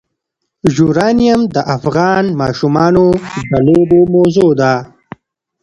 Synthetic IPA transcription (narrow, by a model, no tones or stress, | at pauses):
ʒuːɾɑːnijɐmd̪əʔafɣɑːnmɑːʃumɑːnod̪əloːbomozod̪aː